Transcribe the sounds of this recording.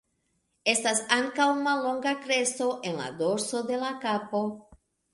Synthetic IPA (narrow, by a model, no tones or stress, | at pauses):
est̪asaŋkawumalõŋɡakɾesoʔẽnla̰ðoɾsoðelakapo